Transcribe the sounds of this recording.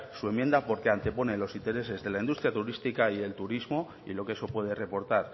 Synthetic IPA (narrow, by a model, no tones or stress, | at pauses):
suemːje̞nd̪apo̞ɾkeant̪e̞po̞ne̞lo̞sint̪e̞ɾe̞se̞zðe̞laind̪ust̪ɾjat̪uɾist̪ikaie̞lt̪uɾizmo̞ | ḭlo̞keso̞pwe̞ð̞e̞re̞po̞ɾt̪aɾ